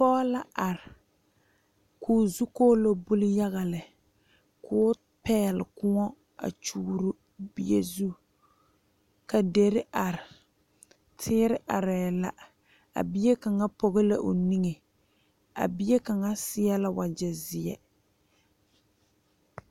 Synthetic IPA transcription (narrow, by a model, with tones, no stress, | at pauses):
pɔː˦la˦ʔa˨ɾɪ˨ | kʰuː˨zu˦koː˦lo˦bu˦lɪ˦ja˦ɣa˨lɪ˨ | kʰʊː˦ | pɛː˦lɪ̰˨kʊ˦ŋɔ˦ | a̰˨t͡ʃuː˦ɾu˦ | bi˨ḛ˨zu˦ | ka˨de˨ɾɪ˦ʔa˨ɾɪ˨ | tʰɪː˦ɾɪ˦ʔa˨ɾɛː˨la˦ | a̰˨bi˦je˦ka˨ŋa˦pɔ˦ɣɪ˦la̰˦ʔo˨ni˦ŋe˨ | a̰˨bi˦e˦ka˨ŋa˦sɪ˦ja˦la˦wa˨d͡ʒɛ˨zɪ˨jɛ̰˦